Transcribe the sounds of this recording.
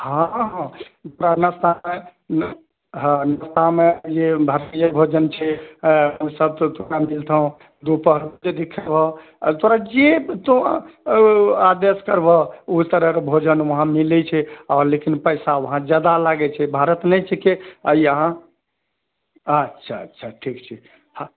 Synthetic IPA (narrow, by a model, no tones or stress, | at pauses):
hãɦt̪oɾanəst̪ʰame | ɦnəst̪amed͡ʒebʱəɾtijəbʱod͡ʒənt͡ʃʰɛəmsəb̚t̪t̪oɾamilt̪ʰəũ | d̪upəɦɾd͡ʒed̪ikʰəbʱɔ | t̪oɾad͡ʒet̪o | ad̪eskəɾbʱɔut̪əɾəɾbʱod͡ʒənʋəɦãmilɛt͡ʃʰɛɔɾlekinpəjsaʋəɦãd͡ʒad̪alaɡɛt͡ʃʰɛbʱaɾət̪nɛt͡ʃʰɛkeəiəɦã | ətːʃʰaətːʃʰaʈʰikt͡ʃʰi | ha